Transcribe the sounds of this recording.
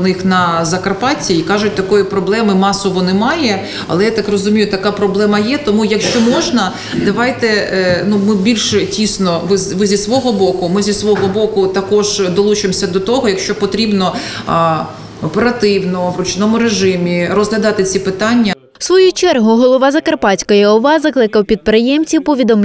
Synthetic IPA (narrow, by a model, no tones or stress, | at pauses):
nɪxnɐzɐkɐrpɑtʲiːkɑʒʊt̚ʲt̪ɐkɔjipɾɔblˠɛmɪmɑsɔʋɔnɪmɑjɛ | ɐ̰lˠɛjat̪ɑkrɔzʊmʲijʊt̪ɐkɑpɾɔblˠɛmɐjɛt̪ɔmujɐkʃt͡ʃɔmɔʒnɐ | d̪ɐʋɑjt̪ɛnumɪbʲilʲʃɛtʲisnɔʋɪzʋɪzʲisʋɔɦɔbɔkʊmɪzʲisʋɔɦɔbɔkʊt̪ɐkɔʒd̪ɔlˠut͡ʃɪmsʲɐd̪ɔt̪ɔɦɔjɐkʃt͡ʃɔpɔt̪ɾʲibnɔ | ɔpeɾɐt̪ɪwnɔʋɾʊt͡ʃnɔmʊɾeʒɪmʲirɔzɦlʲɐd̪ɑt̪ɪt͡sʲipɪt̪ɑnʲːɐ | sʋɔjut͡ʃɛrɦʊɦɔlˠɔʋɑzɐkɐrpɑt͡sʲkɔjɐɔʋɑzɐklˠɪkɐwpʲid̪̚pɾɪjɛmt͡sʲiwpɔʋʲid̪ɔmʲ